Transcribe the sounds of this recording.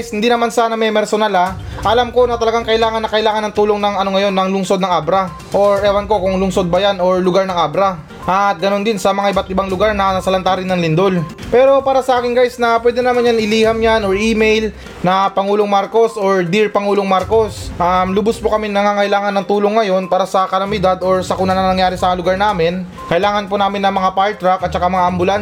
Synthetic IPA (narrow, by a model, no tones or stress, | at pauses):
jshɪnd̪inɐmansaːnɐmɛmɛɾsonala | ʔɐlamko̞nɐt̪ɐlɐɡaŋkɐʔɪlaːŋɐnːɐkɐʔɪlaːŋɐnːɐŋt̪uːloŋnɐŋɐno̞ŋɐjo̞nːɐŋlʊŋso̞d̪nɐŋʔabɾɐ | ʔo̞ɹʔɛwɐnko̞kʊŋlʊŋso̞d̪̚bɐjano̞ɹlʊɡaɾnɐŋʔabɾɐ | ʔɐt̪̚ɡɐno̞nd̪ɪnsɐmɐŋaʔɪbat̪ʔɪbaŋlʊɡaɾnɐnɐsɐlɐnt̪aːɾɪnːɐŋlɪnd̪ol | pɛːɾo̞paːɾɐsɐʔaːkɪŋɡajsnɐpwɛːd̪ɛnɐmanjanɪliːhɐmjanoɹʔiːmejl | nɐpɐŋuːloŋmaɾko̞soɹd̪iɹpɐŋuːloŋmaɾko̞sʔamlʊbʊspokɐmɪnɐŋaːŋɐʔɪlaːŋɐnɐŋt̪uːloŋːɐjo̞npaːɾɐsɐkɐɾɐmɪd̪ad̪ʔo̞ɹsɐkʊnɐnɐnɐŋjaːɾɪsɐlʊɡaɹnaːmɪn | kɐʔɪlaːŋɐnponaːmɪnːɐŋmɐŋapaɹt̪ɾakʔɐt̪̚t͡ʃɐkamɐŋaʔɐmbʊlan